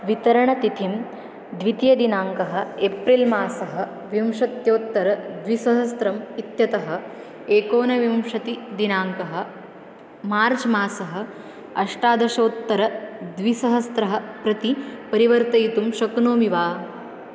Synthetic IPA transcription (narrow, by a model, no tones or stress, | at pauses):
ʋit̪ɐɾɐɳɐt̪it̪ʰim | d̪ʋit̪jɐd̪inaːŋkɐɦɐ̆epɾilmaːsɐɦɐ̆ | ʋjɐmʂɐt̪joːt̪ːɐɾɐd̪ʋisɐɦɐst̪ɾɐmit̪jɐt̪ɐɦɐ̆ | eːkoːnɐʋjɐmʂɐt̪id̪inaːŋkɐɦɐ̆ | maːɾt͡ʃmaːsɐɦɐ̆ | ɐʂʈaːd̪ɐʃoːt̪ːɐɾɐd̪ʋisɐɦɐst̪ɾɐɦɐ̆pɾɐt̪ipɐɾiʋɐɾt̪ɐjt̪umʃɐknoːmiʋaː